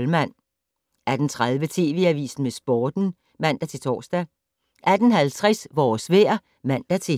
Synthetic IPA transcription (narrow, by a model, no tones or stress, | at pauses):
lmæn̰ | æd̥n̩t͡sʰʁaðˠʋət͡sʰe̝̰ːʋe̝ːæʋḭːsn̩mesb̥ɒːd̥n̩ | mæn̰d̥æt͡sʰe̝t͡sʰɒ̰ːsd̥æ | ʔæd̥n̩ɦælt͡sʰʁɛsʋɒːsʋḛːɐ̰ | mæn̰d̥æt͡sʰe̝